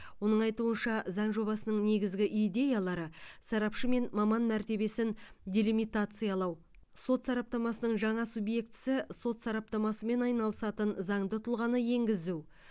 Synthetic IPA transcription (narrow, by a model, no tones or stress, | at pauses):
wo̞nəɴɑjt̪uənʃɑzɑɴʒo̞bɑsənəɴne̞ɡʲɪzɡʲɪʔijd̪ʲe̞jalˠɑɾəsɑɾɑpʃəme̞nmɑmɑnmæɾt̪e̞be̞sɪndʲelʲimijt̪at̪sɨjɑlˠɑw | so̞t̪sɑɾɑp̚t̪ɑmɑsənəɴʒɑɴɑsubje̞kt̪ɪ̥sɪso̞t̪sɑɾɑp̚t̪ɑmɑsəme̞nɑjnɑlˠəsɑt̪ənzɑɴd̪ət̪ʰʊlˠʁɑnəje̞ŋɡʲɪzuw